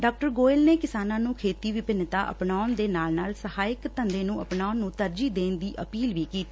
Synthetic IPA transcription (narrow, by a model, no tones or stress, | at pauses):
ɖaːk̚ʈəɾɡoːɪlneːkɪsaːnãːnũːkʰeːt̪iːʋɪpɪnt̪aːʔə̰pnaːʊnd̪eːnaːlnaːlsəhaːɪkt̪ənd̪eːnũːəpnaːʊnːũːt̪əɾd͡ʒiːd̪eːnd̪iːʔəpiːlʋiːkiːt̪i̥ː